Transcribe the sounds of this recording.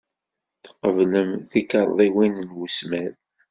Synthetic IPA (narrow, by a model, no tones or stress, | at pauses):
θə̥qːəvləmθikəɾˤðˤiwinnwusmæɾ